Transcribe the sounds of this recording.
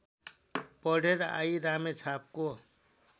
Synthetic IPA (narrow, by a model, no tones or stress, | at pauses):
pʌɽʱeɾa̰jɾamet͡sʰap̚ko